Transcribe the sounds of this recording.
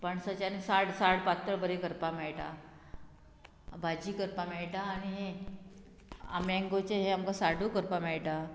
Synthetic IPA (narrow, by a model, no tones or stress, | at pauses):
pəɳsət͡ɕanisaɽsaɽpat̪ːəɭbəɾekəɾpamɛɭʈa̰ | bʱad͡ʑiːkəɾpamɛɭʈaːniɦe | a̰mɛ̃ŋɡot͡ɕeɦeamkasaɽuːkəɾpamɛɭʈa